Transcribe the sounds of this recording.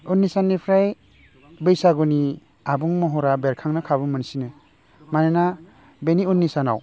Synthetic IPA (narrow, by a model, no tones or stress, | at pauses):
unːisanːipʰɾaj | bɯjsaɡuni | abuŋmɔɦɔɾabeɾkʰaŋnakʰabɯmɯnsine | manena | beniunːisana̰w